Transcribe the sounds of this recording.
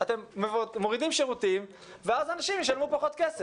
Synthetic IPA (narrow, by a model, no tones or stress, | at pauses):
at̪e̞mːmoʁidimʃeʁutim | veazanaʃimjeʃalmupaχo̞t̪kese